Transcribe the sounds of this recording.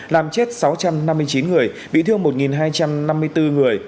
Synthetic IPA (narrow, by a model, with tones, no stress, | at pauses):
laː˨˩mt͡ɕe˦˥t̚sa˨˦wt͡ɕa˧mna˧mːɨ˧əjt͡ɕi˨˦nŋɨ˨˩əj | ɓḭ˧˨t̪ʰɨ˧əŋmo˨˩t̚ŋi˨˩nɦaː˧jt͡ɕa˧mna˧mːɨ˧əjt̪ɨ˧ŋɨ˨˩əj